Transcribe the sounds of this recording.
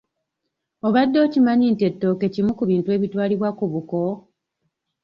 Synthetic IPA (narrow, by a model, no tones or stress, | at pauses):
o̞βadːo̞ːcimaɲiːnte̞tːo̞ːke̞cimukuβiːntue̞ːβitwaːliβwakuβuko̞